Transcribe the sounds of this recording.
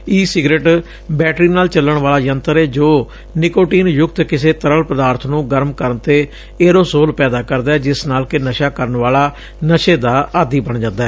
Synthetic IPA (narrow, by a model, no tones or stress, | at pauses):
iːsɪɡɾeːʈ | bɛːʈɾiːnaːlt͡ʃəlːəɳʋaːlaːjə̃nt̪əɾɛːd͡ʒoː | nɪkoːʈiːnjʊk̚t̪kɪseːt̪əɾəlpəd̪aːɾt̪ʰnũːɡəɾmkəɾənt̪eː | eːɾoːsoːlpɛːd̪aːkəɾd̪aːɛːd͡ʒɪsnaːlkɪnəʃaːkəɾəɳʋaːlaː | nəʃeːd̪aːaːd̪iːbəɳd͡ʒãːnd̪aːɛː